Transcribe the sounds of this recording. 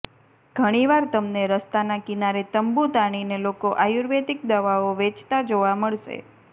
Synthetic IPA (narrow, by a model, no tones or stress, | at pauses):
ɡ̥ʱəɽ̃iʋaɾt̪əmneɾəst̪anakinaɾet̪əmbut̪aɽ̃inelokoʔajuɾʋet̪ik̚d̪əʋaoʋet͡ʃʰt̪ad͡ʒoʋaməɭʃḛ